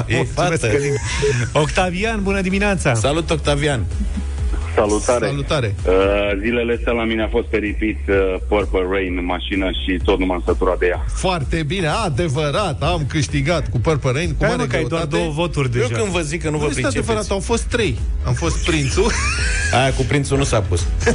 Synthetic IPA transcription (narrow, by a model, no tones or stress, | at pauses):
jefa | okt̪avianbunəd̪imineat̪sasalut̪ok̚t̪avian | salut̪aɾealut̪aɾe̞əzileleest̪alamineafo̞st̪̚peɾipit̪əpərpərejnmaʃinəʃit̪o̞t̪numansət̪uɾad̪e̞ja | foart̪e̞bine̞ad̪e̞vəɾat̪amkɨʃt̪iɡat̪kupərpəɾejnkumaɡkajod̪oaatd̪owəvo̞t̪urʲd̪eeʒkɨnd̪vəzikːənuvəsɾit̪aevəɾat̪awfo̞st̪ːɾe̞jamfo̞st̪̚pɾint̪suajakupɾint̪sunusapus